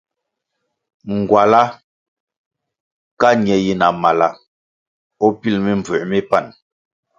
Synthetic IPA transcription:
ŋ˨ɡwa˨la˦ | ka˦ɲjɛ˨ji˦na˨ma˨la˦ | ɔ˦pi˦lmi˦m˨b͡və˨ʔmi˦pa˦˨n

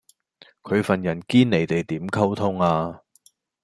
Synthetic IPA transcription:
kʰɵ˨˧ɥfɐ˨njɐ˨˩nkiː˥nne˨˩jt̪e˨jt̪iː˨˥mkʰɐ˥wt̪ʰʊ˥ŋaː˧

